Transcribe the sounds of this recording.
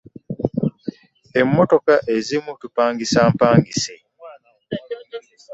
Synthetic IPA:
emːoto̞kaʔezimutupaːŋɡisaːmpaːŋɡisi

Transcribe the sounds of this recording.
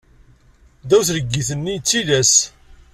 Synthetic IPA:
d̪æwθɾəɡːiθənːit͡sːiðæs

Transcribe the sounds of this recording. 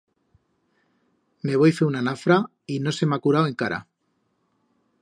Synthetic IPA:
me̞βo̞jfeunanafɾa | ino̞se̞makuɾawe̞ŋkaɾa̰

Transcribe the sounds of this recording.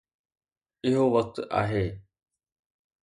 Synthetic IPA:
ɪɦoːʋək̚t̪a̰ːɦeː

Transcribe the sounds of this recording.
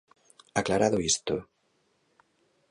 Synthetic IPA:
aklaɾaðoist̪o

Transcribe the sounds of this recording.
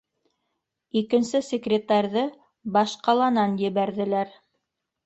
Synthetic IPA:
ikɘ̆nsɘsʲekrʲɪt̪ɑɾʲðɤ | bɑʃqɑlˠɑnɑnjɘ̆βæɾðɘ̆læɾ

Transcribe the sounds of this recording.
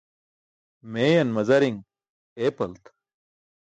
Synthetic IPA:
meːjɐnmɐzɐɾiŋ | eːpɐlt̪

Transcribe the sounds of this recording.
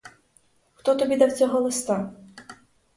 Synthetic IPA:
xt̪ɔt̪ɔbʲid̪ɐwsʲɔɦɔlˠɨst̪a

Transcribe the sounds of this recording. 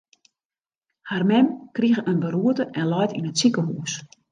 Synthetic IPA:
harmɛmkriɣəʔənbəɾuətəʔɛnlɔjtinətsikəɦuːs

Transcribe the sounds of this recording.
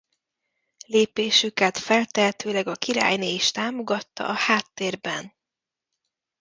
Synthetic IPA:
leːpeːʃykɛt̪fɛlt̪ɛɦɛt̪øːlɛɡɒkiɾa̰ːjneːiʃt̪aːmo̞ɡɒt̪ːɒ̰ʔɒhaːt̪ːeːrbɛn

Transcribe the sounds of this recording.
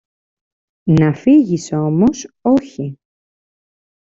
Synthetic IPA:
nɐfiʝiso̞mo̞so̞çi

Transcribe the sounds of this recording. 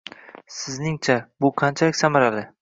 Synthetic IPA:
sɪznɪŋt͡ʃʰabʊqʰɑnt͡ʃʰalɪkʲsamaɾalɪ

